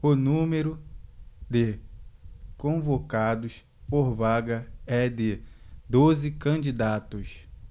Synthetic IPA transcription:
ʊnũmeɾʊ | d̪ɪ | kõvokad̪ʊs | poɾvaɡɐɛd̪ɪd̪ozɪkɐ̃d͡ʒid̪at̪ʊs

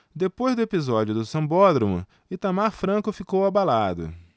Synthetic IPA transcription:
d̪epojzd̪ʊepizɔd͡ʒʊd̪ʊsɐ̃mbɔd̪ɾɐmṵ | ɪt̪amaɾfɾɐ̃kʊfikowabalad̪ʊ̰

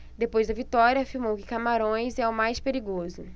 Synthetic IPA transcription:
d̪epojzd̪ɐvit̪ɔɾjɐːfiɾmowkɪ̥kamaɾõj̃zɛʊmajspeɾiɡozʊ

